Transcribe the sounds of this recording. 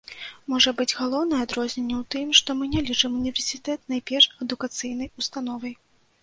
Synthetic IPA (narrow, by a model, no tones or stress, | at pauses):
mɔʐɐbɨd͡zʲɣalˠɔwnɐjɛad̪ɾɔzʲnʲɛnʲːɛwt̪ɨmʂt̪ɔmɨnʲɛlʲit͡ʂɨmunʲivʲɛrsʲit̪ɛt̪najpʲɛrʂɛd̪ukat̪sɨjnɐjust̪anɔvɐj